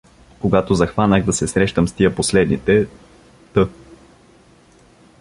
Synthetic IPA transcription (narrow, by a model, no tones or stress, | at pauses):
koɡat̪ozɐxvanəɣd̪ɐsɛsɾɛʃt̪əmst̪ijəposlɛd̪nit̪ɛ | t̪ɤ